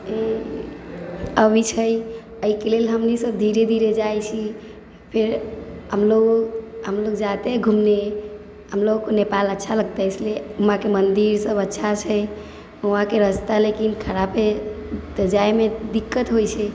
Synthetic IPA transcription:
e | əbit͡ʃʰəj | əikelelɦəmnisəb̚d̪ʱiɾed̪ʱiɾed͡ʒajt͡ʃʰi | pʰeɾɦəmloɡɦəmloɡd͡ʒat̪eɡʱumne | ɦəmloɡkonepalətːʃʰaləɡ̚t̪esleumãkemənd̪iɾsəbətːʃʰat͡ʃʰəj | uɦãkeɾəst̪alekinkʰəɾabed̪əd͡ʒajmed̪ikːət̪ɦojt͡ʃʰɛ

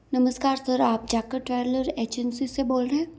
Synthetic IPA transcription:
nɐməskaːɾsɐɾaːp̚d͡ʒaːkəɾʈɾɛːɾləɾeːd͡ʒənsiseboːlɾeɦɛ̃ː

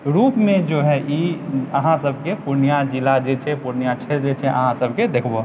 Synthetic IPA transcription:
ɾupmẽd͡ʒoɦɛʔiəɦãsəbʱkepuɾnijad͡ʒilad͡ʒet͡ʃʰɛpuɾnijat͡ʃʰet̪ɾd͡ʒet͡ʃʰɛʔə̰ɦãsəbʱked̪ekʰbo

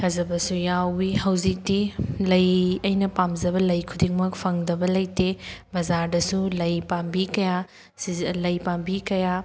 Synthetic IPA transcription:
hʰɐzɐbɐsujawihɐwzik̚tilɐjɐjnɐpamzɐbɐlɐjkʰudiŋmɐk̚pʰɐŋdɐbɐlɐjtebɐzaɾdɐsulɐjpambikɐja | silɐjpambikɐja

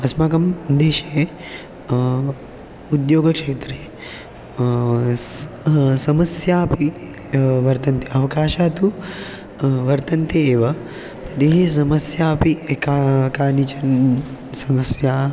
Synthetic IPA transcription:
ɐsmaːkɐmd̪eːʃe | ud̪joːɡɐkʂeːt̪ɾe | sɐmɐsjaːpi | ʋɐɾt̪ɐnt̪iɐʋɐkaːʃaːt̪u | ʋɐɾt̪ɐnt̪eeːʋɐ | t̪ɐɾiɦis̬ɐmɐsjaːpiekakaːnit͡ʃɐnsɐmɐsjaː

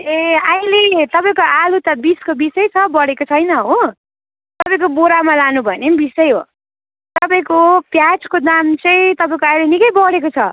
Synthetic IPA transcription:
eajlet̪ʌpaĩkoʔalut̪ʌbiskobisʌjt͡sʰʌbʌɽekot͡sʰʌjnʌɦo | t̪ʌpaĩkoboɾamalanubʱʌnembisʌjɦo̰ | t̪ʌpaĩkopjat͡skod̪amt͡sʌĩt̪ʌpãĩkoajlenikʌjbʌɽekot͡sʰʌ

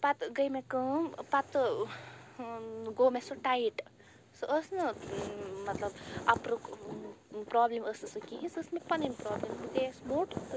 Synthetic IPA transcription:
pat̪ɡəjmekəmpat̪ | ɡomesoʈaiʈ | sɨʔəsnɐ | mɐt̪lɐba̰pɾo | pɾableməsnɐsəkiɦĩsːsmepɐnimpɾɔːblemmuk̪esmoʈ

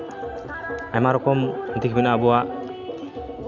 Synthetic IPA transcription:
ajmaɾɔkɔmt̪ikʰbinabɔwa

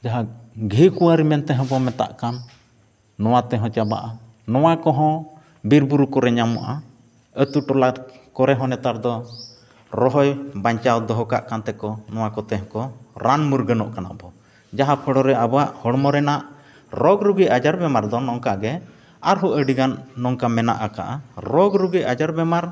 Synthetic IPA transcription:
d͡ʒaɦaɡʱiʔkuwaɾimɛnt̪ɛɦɔ̃bɔmɛt̪a̰ʔkanː | ɔwat̪ɛɦɔ̃t͡ʃaba̰ʔa | nɔwakɔɦɔ̃ | biɾbuɾukɔɾɛɲama̰ʔa̰ | ət̪uʈɔlaɾkɔɾɛɦɔ̃nɛt̪aɾd̪ɔ | ɾɔɦɔjbaɲt͡ʃawd̪ɔɦɔka̰ʔkant̪ɛkɔnɔwakɔt̪ɛɦɔ̃kɔɾanmuɾɡənɔʔkana̰ʔbɔ | d͡ʒaɦapʰəɽɔɾɛabɔwaʔhɔɽmɔɾɛnaʔ | ɾɔɡɾuɡijad͡ʒaɾbɛmaɾd̪ɔnɔŋkaɡɛ | aɾɦɔʔəɖiɡanːɔŋkamɛna̰ʔaka̰ʔaɾɔɡɾuɡiʔʔad͡ʒaɾbɛmaɾ

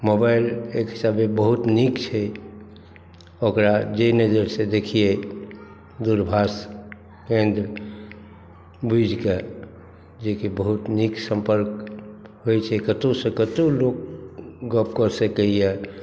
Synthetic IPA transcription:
mobaɪlekɦisabebəɦut̪nikt͡ʃʰɛ | okɾad͡ʒenəd͡ʒəɾsẽd̪ekʰije | d̪uɾbʱas | kẽnd̪ɾ | bid͡ʒʱke | d͡ʒekibəɦut̪niksə̃mpəɾk̚ɦojt͡ʃʰɛkət̪osə̃kət̪olok̚ɡəp̚kəɾsəkəijɛ

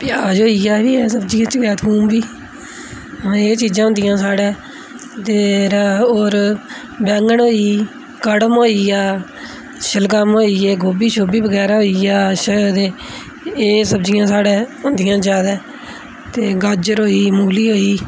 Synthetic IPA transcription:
pɪjaːd͡ʒɦoːiːjaːbiːɛːsəbd͡ʒijãːt͡ʃəɡɛːt̪ʰbuːmbiː | eːt͡ʃiːd͡ʒãːɦʊ̃nd̪ɪjãːsaːɽeː | t̪eːɾoːɾ | bɛ̃ːŋɡəɳɦoːiː | kəɽəmɦoːiːjaː | ʃəlɡaːmɦoːiːɛːɡoːbiːʃoːbiːbəɡɛːɾaɦoːiːjaːʃəd̪eː | eːsəbd͡ʒɪjãːsaːɽẽːɦʊnd̪ɪjãːd͡ʒaːd̪ɛː | t̪eːɡaːd͡ʒəɾɦoːiːmʊːɡliːɦoːiː

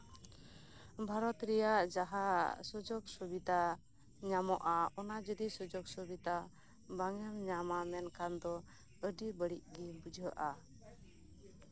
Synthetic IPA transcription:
bʱaɾɔt̪ɾɛjaʔd͡ʒaɦasɔd͡ʒɔksɔbit̪a | ɲamɔʔaɔnad͡ʒəd̪isɔd͡ʒɔksɔbit̪a | baŋɛmɲamamɛnkand̪ɔ | əɖibəɽiʔɡibud͡ʒʱəʔa

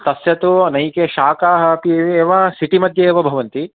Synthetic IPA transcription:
t̪ɐsjɐt̪unɐjkeʃaːkaːɦɐpieʋeːʋɐsiʈimɐd̪ʱjɐeːʋɐbʱɐʋɐnt̪i

